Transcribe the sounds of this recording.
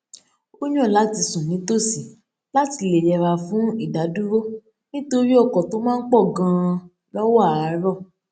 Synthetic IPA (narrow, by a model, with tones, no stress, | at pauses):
o˦ɲ̃˦ɔ̃˦˨la˨˦ti˧sũ˨nĩ˨˦to˦˨si˨ | la˦ti˧le˨jɛ˨ɾa˧fũ˨˦i˦˨da˨˦du˦ɾo˦ | nĩ˦to˧ɾi˦ɔ˦˨kɔ˨to˦mãː˦n̩˦k͡pɔ˦˨ɡã˧˦˧ | lɔ˦wɔ˦˨a˨˦ɾɔ˦˨